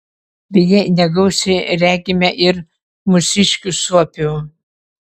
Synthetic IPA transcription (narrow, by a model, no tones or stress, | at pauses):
bʲɛjɛnʲɛɡɐʊsʲɪɾʲæːɡʲɪmʲɛʔɪɾ | mʊsʲɪʃʲkʲusuɔpʲuː